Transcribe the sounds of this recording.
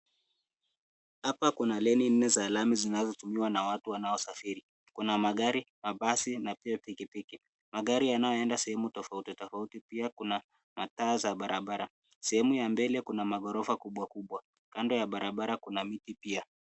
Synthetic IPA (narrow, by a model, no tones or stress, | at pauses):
hapakunalɛnin̩nːɛzalamizinazɔtumiwanawatuwanaɔsafiɾi | kunamaɠaɾimaɓasinapiapikipiki | maɠaɾijanajɔɛndasɛhɛmutɔfautitɔfautipiakuna | mataːzaɓaɾʔaɓaɾa | sɛhɛmujambɛlɛkunamaɠɔɾɔfakuɓwakuɓwa | kandɔjaɓaɾaɓaɾakunamitipia